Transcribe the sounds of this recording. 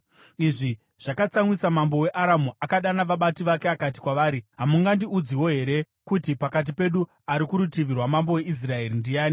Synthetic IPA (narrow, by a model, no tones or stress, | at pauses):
iʐi | ʐ̥akat͡samwisamambo̞we̞ʔaɾamuʔakaɗanaʋaɓatiʋakeakat̬i̥kwaʋaːɾiɦamuŋɡandiud͡ziwo̞ɦe̞ɾe̞ | kutipakat̬ipe̞ɗu | aɾikuɾutiʋirwamambo̞we̞ʔis̬rae̞rindijaːni